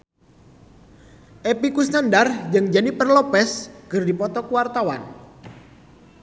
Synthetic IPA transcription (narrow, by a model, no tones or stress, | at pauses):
ʔepikusnandard͡ʒɨŋd͡ʒanipərlopɛsɡ̥ɨrdipɔt̪ɔkuwart̪awa̰n